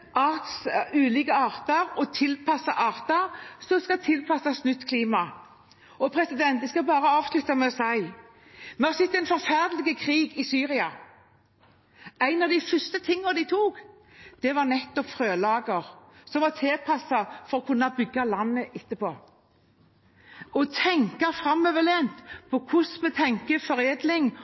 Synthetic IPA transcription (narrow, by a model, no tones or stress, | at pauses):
ɑʁt̪sʉːlɪːɡəɑːʁt̪əɾɔt̪ʰɪlpʰɑsɑʔɑːʁt̪əʁsɔskɑt̪ʰɪlpʰɑsɑsnʉt̪kʰliːmɑ | ɔpʰɾɛsɪd̪ɛnt̪d̪ɛskɑbɑːɾəɑːʋslʉt̪ːɑmɛɛɔsɑɪ | mœsɪt̪ːɛɪnfɔɾfæʁd̪lɪɡəkʰʁiːɡɪsyːɾɪɑ | æɪnɑʋd̪ɪfœst̪ət̪ʰɪŋːəd̪ɪt̪ʰuːɡ | d̪̥ɛʋɑɾnɛt̪ːɔpfɾøːlɑːɡəɾsɔmʋɑt̪ʰeːpʰɑsɑfɔɾɔkʰʉnːɑbʏɡːɑlɑnːəʔɪt̪ːəpʰoː | ɔt̪ʰɛŋkɑfɾɑmːœʋəleːnt̪pʰɔkʰʊsmɛt̪ʰɛŋkəfɔɾeːd̪lɪŋ